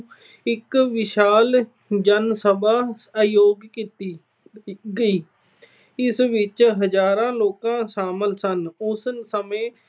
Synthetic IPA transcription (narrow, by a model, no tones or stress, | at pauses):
ɪkʋɪʃaːl | d͡ʒənsəbʱaː | joːɡkit̪iː | ɡəiː | ɪsʋɪt͡ʃɦəd͡ʒaːɾãːloːkãːʃaːməlsənʊsnsəmẽː